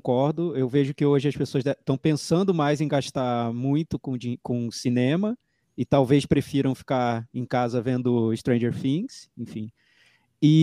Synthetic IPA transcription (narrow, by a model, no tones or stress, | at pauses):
kɔɾd̪ʊewveʒʊkɪoʒɪɐspesoɐʃɛt̪ɐ̃w̃pẽsɐ̃nd̪ʊmajzẽj̃ɡaʃt̪aɾmũj̃t̪ʊkõd͡ʒikõsinẽmɐ | ɪt̪awvejspɾefiɾɐ̃w̃fi̥kaẽj̃kazɐvẽnd̪ʊɪʃt̪ɾẽj̃d͡ʒeɾfĩsẽfĩ | ɪ